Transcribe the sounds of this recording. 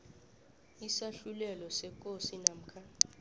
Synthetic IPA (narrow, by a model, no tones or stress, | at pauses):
isaɬulɛlɔsɛkʼosinam̩kʰa